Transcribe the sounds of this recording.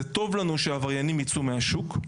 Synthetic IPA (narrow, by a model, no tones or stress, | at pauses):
et̪o̞vlanuʃeavaʁjanimjit͡sumeɦaʃuk